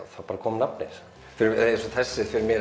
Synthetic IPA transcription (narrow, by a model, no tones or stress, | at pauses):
θawpaːɾakʰɔːmnapnḛjs | fɪɾɾsɔθɛsːɪθfɪɾmjɛ